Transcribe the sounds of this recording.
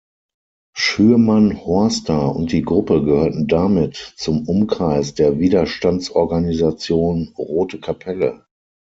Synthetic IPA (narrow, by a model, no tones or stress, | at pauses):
ʃyːɐmanhɔɐstʰaʊ̰nt̚d̥iːɡʁʊpəɡəhøːɐtn̩damɪtt͡sʊmʔʊmkʁ̥aɪsd̥eːɐviːdɐʃtant͡sʔɔɐɡanizat͡sjoːnʁoːtəkʰapʰɛlə̰